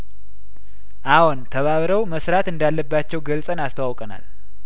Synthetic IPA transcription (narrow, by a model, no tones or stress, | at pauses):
ʔawont̪ʰəβaβɾəwməsɾat̪ɨnd̪alːəbːat͡ʃːɛwɡəlsʼənast̪ʰəwawkʼəna̰l